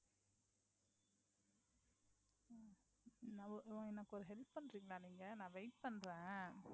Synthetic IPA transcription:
nãːɪʋɐ̃ɪnːɐkːɔɾɯɦɛlpːpɐnɾiːŋɡɐlaːniːŋɡɐnãːʋɐɪʈ̚pɐnɾẽː

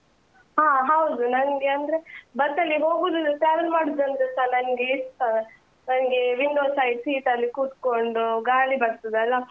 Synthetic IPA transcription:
ɦãːɦɐwd̪unɐnɡeɐnd̪ɾebɐɾt̪ɐlːiɦoːɡuːd̪ud̪uʈɾaːʋɐɾmaːɽud̪ɐnd̪ɾesanɐnɡest̪a | nɐnɡe̞ʋiɳɖoːsaːjisiːʈɐlːikuːt̪koɳɖuɡaːɭibɐɾt̪ud̪ɐlːa

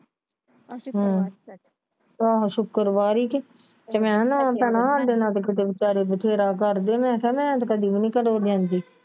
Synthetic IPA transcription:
ɦː | aːʃʊkkəɾbaːɾiːket̪emɛ̃ːnãpɛːnãːad̪eːnãːt̪ok̬ɪt̪̬eːbɪt͡ʃaːɾeːbət̪ʰeːɾaːkəɾd̪eːmɛ̃ːkʰɛːmɛ̃ːt̪okəd̪iːbnĩːkəɾoːd͡ʒ̪ãːnd̪iː

